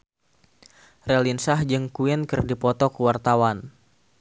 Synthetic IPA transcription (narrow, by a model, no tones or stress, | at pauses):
rɛlinsahd͡ʒɨŋkuɛnkɨrdipɔt̪ɔkuwart̪awan